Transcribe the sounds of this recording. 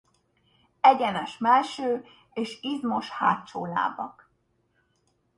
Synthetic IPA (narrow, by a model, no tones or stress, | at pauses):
ɛɟɛnɛʃmɛlʃøː | eːʃizmo̞ʃha̰ːtt͡ʃoːla̰ːbɒ̰k